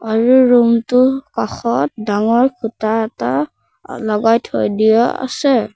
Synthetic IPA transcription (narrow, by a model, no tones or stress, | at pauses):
aɹuɹumtʊkaxɔtdaŋɔɹkʰutaɛta | lɔɡajtʰo̰jdijɔa̰sɛ